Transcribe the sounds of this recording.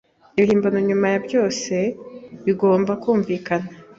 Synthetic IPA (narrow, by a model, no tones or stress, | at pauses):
johiːmbanoɲumajabjo̞ːse̞βiɡo̞ːmbakuːɱviːkana